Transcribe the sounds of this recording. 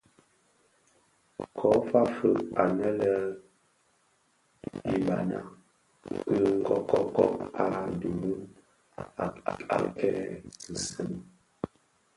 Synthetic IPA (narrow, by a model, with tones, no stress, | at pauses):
kʰɔ˦fa˦fə˦˨ʔa˨nɛ˦lə˦ | i˨ba˨na̰˨ | kə˦˨ŋ̩˦ɡɔ˨kɔ˦kɔ˦ʔa˨du˨˦ | a̰˨ka̰˨kɛ˦kə˨sə˦m˨